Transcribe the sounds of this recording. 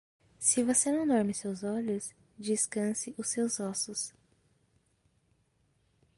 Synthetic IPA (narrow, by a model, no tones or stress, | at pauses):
sɪvosenɐ̃w̃d̪ɔɾmɪsewzɔʎʊs | d͡ʒiskɐ̃sɪʔʊsewzɔsʊs